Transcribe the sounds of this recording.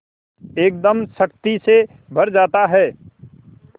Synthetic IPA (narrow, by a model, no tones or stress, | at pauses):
eːk̚d̪əmsəkt̪ise | bʱɐɾd͡ʒaːt̪aɦɛː